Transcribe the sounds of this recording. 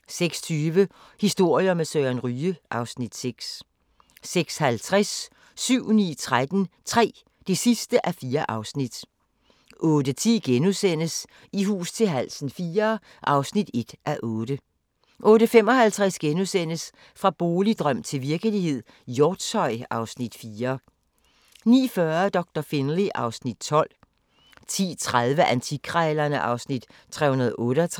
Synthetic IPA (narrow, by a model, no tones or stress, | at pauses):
seɡ̥st͡sʰyːʋə | hisd̥o̝ɐ̰jɐmesøænʁyːəʔɑ̈ʊsnid̥seɡ̥sː | eɡ̥shælt͡sʰʁasː | yʊ̰nḭːt͡sʰʁad̥ən̩t͡sʰʁɛ̰ː | d̥e̝sisd̥əʔæfiːɐʔɑ̈ʊsnid̥ | ʔɔ̽ːd̥ət͡sʰḭːɡ̥enusen̰əs | iɦṵːst͡sʰe̝lɦæl̰sn̩fiːɐ | ʔɑ̈ʊsnid̥e̝d̥ʔæʔɔ̽ːd̥ə | ʔɔ̽ːɾəfem̰ɒ̽hælt͡sʰʁɛsɡ̥enusen̰əs | fʁɑ̈b̥oːlid̥ʁœm̰t͡sʰe̝lʋiɐɡ̥əlihe̝ð̰ˠ | jɔːd̥sɒ̽ɪɑ̈ʊsnid̥fiːɐ | nḭːfɶɐd̥ɒ̽ɡ̥̚d̥ɐfe̝nʁiʔɑ̈ʊsnid̥t͡sʰɒ̽l̰ | t͡sʰḭːt͡sʰʁaðˠʋəʔænt͡sʰikʰʁaɪlɐnəʔɑ̈ʊsnid̥ | t͡sʰʁɛ̰hunɐð̞ˠʔɔ̽ːɾəæt͡sʰ